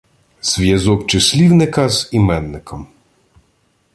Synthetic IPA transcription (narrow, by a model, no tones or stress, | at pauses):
z̥ʋʲjɐzɔkt͡ʃɪsʲlʲiwnɪkɐzimɛnːɪkʰɔm